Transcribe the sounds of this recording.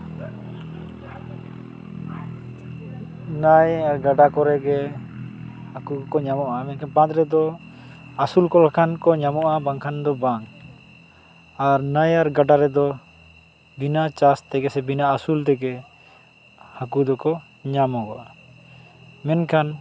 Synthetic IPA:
najaɾɡaɖakɔɾɛɡɛ | hakukɔɲamɔʔamɛnkʰanpãt̪ɾɛd̪ɔ | asulkɔlakʰankɔɲamɔʔabaŋkʰand̪ɔbaŋ | aɾnajaɾɡaɖaɾɛd̪ɔ | binat͡ʃast̪ɛɡɛsɛbinaasult̪ɛɡɛ | hakud̪ɔkɔ | ɲamɔɡɔ̰ʔa | mɛnkʰan

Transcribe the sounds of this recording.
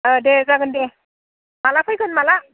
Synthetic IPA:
ədezaɡɯnde | malakʰɯjkʰɯnmala

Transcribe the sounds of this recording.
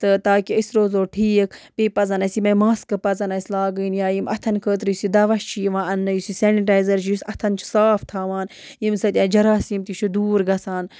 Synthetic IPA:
t̪ɨt̪aːkiisɾoːzoːʈʰiːkpiːpɐzɐnɐsimɐjmaːskɨpɐzɐnɐsʲlaːɡɨːnjaːjimɐt̪ʰɐnkʰəːt̪̬ɾijusid̪ɐʋɐʃt͡ʃʰiʋãːɐnːɐjusiseːniʈaːjzɐɾt͡ʃʰijusʲɐt̪ʰɐnt͡ʃʰi̥saːfʰt̪ʰaːʋaːn | jimsɐt̪ʲãːd͡ʒɐɾaːsimt̪it͡ʃʰud̪uːɾɡɐsaːn

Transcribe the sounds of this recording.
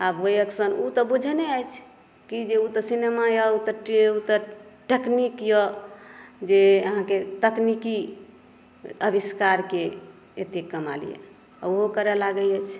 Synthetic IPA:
abojəksənut̪ɔbud͡ʒʱneajt͡ʃʰ | kid͡ʒeut̪ɔsinemajaut̪əʈut̪əɾʈeknikjɔ | d͡ʒeəɦãket̪əkniki | əbiskaɾke | ḛt̪ekəma̰lḭjḛ | a̰uɦokəɾɛlaɡəjɛt͡ʃʰ

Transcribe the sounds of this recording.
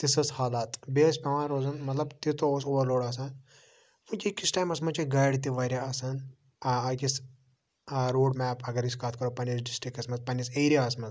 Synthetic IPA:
t̪isɐshaːlaːt̪beːspʲɐʋãːnɾoːzɐnmɐt̪lɐbt̪it̪oosoʋɐɾloːɽɐːs̬ɐn | ʋunkʲikisʈaːjmɐsmɐnt͡ʃiɡɐjɽt̪iʋɐɾʲjaɐsɐn | ɐkis | ɾoːɖmɛːpʰɐɡɐɾiskaːt̪ʰkɐɾopɐnisɖisʈɾikɐsmɐzpɐniseːɾijaɐsmɐz

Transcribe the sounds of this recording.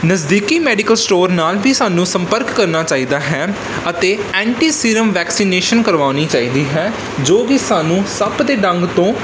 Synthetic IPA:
nəzd̪iːkiːmɛːɖɪkəlsʈoːɾnaːlbʱiːsaːnũːsəmpəɾkːəɾnaːt͡ʃaːiːd̪aːɦɛː | ət̪eːɛ̃ːɳʈiːsiːɾəmʋɛːksiːneːʃənkəɾʋaːñiːt͡ʃaːiːd̪iːɦɛː | d͡ʒoːʋisaːnũːsəbd̪eːɖəŋɡt̪õː

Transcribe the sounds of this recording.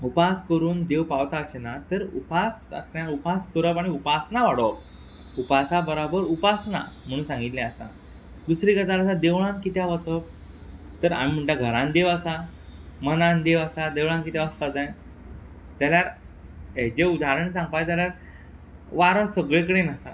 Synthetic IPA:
upaskəɾuːnd̪ewpawt̪aɕenat̪əɾṵpasə̰snjaupaskəɾəpaɽ̃iupasnaʋaɽəp̚ | upasabəɾabəɾupasna̰m̤əɽ̃ũːnsãŋɡit̪lɛ̃asa̰ | d̪usɾikəd͡zaləsad̪eʋɭãnkit̪jaʋət͡səp̚ | t̪əɾa̰nim̤əɳʈaɡʱəɾãnd̪eʋəsa | mənãnd̪eʋəsad̪eʋɭãnkit̪jaʋəspad͡zãj | t̪jaljaɾ | ed͡ʑeud̪ʱaɾəɳisãŋɡ̚pajt̪̬jaljaɾ | ʋaɾəsəɡɭekəɽenəsa

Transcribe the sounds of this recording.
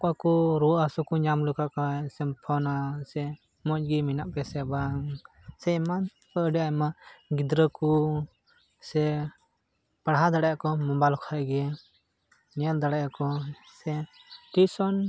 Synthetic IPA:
kakɔɾɔasukuɲamlukakasɛmpʰɔnasɛ | mɔt͡ʃɡiminaʔpɛsɛbaŋ | sɛman | əɖiajmaɡid̪ɾəku | sɛ | paɽɦad̪aɽajakɔmɔbajlkʰaʔɡɛ | nɛald̪aɽajakɔ | sɛʈisɔn

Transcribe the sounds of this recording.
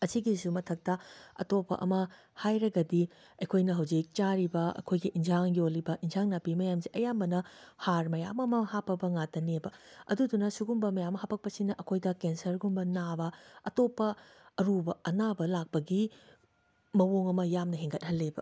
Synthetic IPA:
ɐsiɡisumɐtʰɐk̚tɐɐ̰topːɐ̰ʔɐ̰mɐ | hajɾɐɡɐdi | ɐjkʰojnɐɦɐwzik̚t͡ʃaɾibɐɐ̰kʰojɡiʔinzaŋjolːibɐʔinzaŋnapimɐjamziʔɐjambɐnɐhaɾmɐjamɐmɐhapʰːɐbɐŋatɐnebɐɐ̰dudunɐsuɡumbɐmɐjamːɐhapʰɐk̚pɐsinɐʔɐkʰojdɐkensɐɾɡumbɐnabɐɐtopːɐːɾubɐɐnabɐlak̚pɐɡi | mɐwoŋɐmɐjamnɐɦeŋɡɐt̚hɐlːebɐ

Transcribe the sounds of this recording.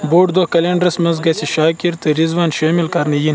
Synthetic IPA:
boːʈd̪okɐleɳɖɾɐsmɐzɡɐsiʃaːkiɾt̪ɐɾizʋaːnʃaːmilkɐɾnɐjin

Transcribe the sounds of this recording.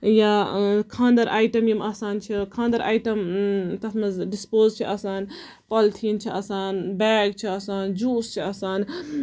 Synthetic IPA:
jakʰãːnd̪ɐɾaːjʈɐmjimaːsaːnt͡ʃʰikʰãːnd̪ɐɾʔa̰ːjʈɐmt̪ɐsmɐzɖispoːzt͡ʃʰiʔɐsaːn | pɐlt̪ʰiːnt͡ʃʰiɐsaːnbɛːɡ̚t͡ʃʰiɐsaːnd͡ʒuːst͡ʃʰiɐsaːn

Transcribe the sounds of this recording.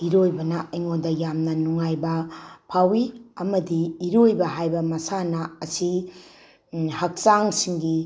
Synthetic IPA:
iɾojbɐnɐɐjŋondɐjamnɐnuŋajbɐpʰawiɐmɐdiːɾojbɐɦajbɐmɐsanɐɐsi | hɐk̚saŋsiŋɡi

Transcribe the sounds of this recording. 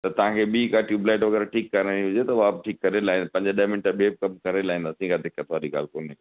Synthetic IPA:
t̪ɐt̪ɐʋ̤ãkʰeɓiːkaʈjuːblaːɪʈʋɐɡɛɾaʈʰiːkːɐɾẽiɦʊd͡ʑet̪ɐʋab̚ʈʰiːkːɐɾelaːɦĩnd̪apɐ̃ɲd͡ʑəɗɐmɪnʈəɓieb̚kɐmkɐɾelaːɦĩnd̪aːsĩːkʰad̪ʱɪkət̪ʰoʋaːɗiɡa̰ːlkoːn

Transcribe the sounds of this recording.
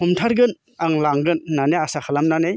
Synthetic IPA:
umtʰaɾɡɯn | aŋlaŋɡɯnːaneasaxʰalamnanej

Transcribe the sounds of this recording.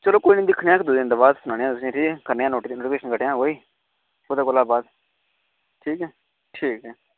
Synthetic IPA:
t͡ʃəloːkoːiːnĩːd̪ɪkʰneãːkd̪ʊd̪̃ːnd̪aːbaːd̪sʊnãːnejãːʊsaːʈʰiːɛkəɾneːãːnoːʈd̪iːnoːʈːpeːʃənkəʈːjãːɦoːiː | oːd̪aːkʊlaːbaːd̪ | ʈʰiːkɦɛː | ʈʰiːkɦɛː

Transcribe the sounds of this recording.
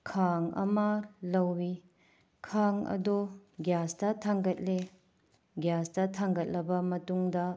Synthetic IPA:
kʰaŋɐ̰mɐlɐwːi | kʰaŋɐ̰dɔɡjastɐtʰaŋɡɐt̚le | ɡjasdɐtʰaŋɡɐt̚lɐbɐmɐtuŋdɐ

